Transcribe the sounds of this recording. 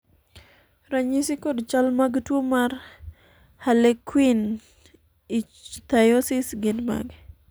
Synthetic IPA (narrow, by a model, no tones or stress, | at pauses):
ɾaɲisikodt͡ʃalmaɡtwomar | halekwin | it͡ʃt̪ajosɪsɡɪdma̰ɡ